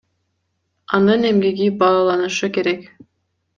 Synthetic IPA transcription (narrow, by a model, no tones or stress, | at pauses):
ɑnɯnemɡiɡibɑːlˠɑnɯʃɯke̞ɾek